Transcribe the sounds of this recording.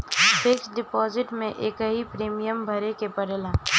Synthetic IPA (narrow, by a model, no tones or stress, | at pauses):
beksɖɪpɔːzɪʈmẽʔeːkɦipɾiːmijəmbʱɐɾekepəɾeːlaː